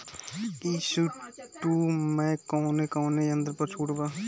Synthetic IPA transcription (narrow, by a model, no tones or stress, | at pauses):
iːsuʈuːmɛ̃ːkɔːnekɔːneɐ̃nd̪əɾpɐɾt͡ʃʰuːʈbaː